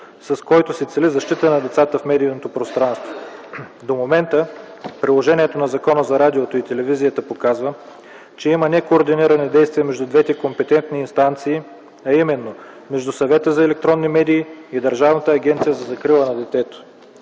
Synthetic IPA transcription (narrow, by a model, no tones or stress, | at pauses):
sɐskɔjt̪osɛt̪sɛlizɐʃt̪it̪ənɐd̪ɛt̪sat̪əfmɛd̪iːnot̪opɾost̪ɾanst̪vo | d̪omomɛnt̪ə | pɾilˠoʒɛnʲiɛt̪onɐzɐkɔnəzɐɾad̪iot̪oit̪ɛlɛvizijət̪əpokazvə | t͡ʃɛimənɛkoːɾd̪iniɾɐnɛd̪ɛjst̪viəmɛʒd̪ud̪vɛt̪ɛkompɛt̪ɛnt̪niːnst̪ant̪siː | ɐimɛnːo | mɛʒd̪usɐvɛt̪əzɐɛlɛk̚t̪ɾɔnːimɛd̪iːd̪əɾʒavnət̪əːɡʲɛnt̪sijəzɐzɐkɾilˠənɐd̪ɛt̪ɛt̪o̥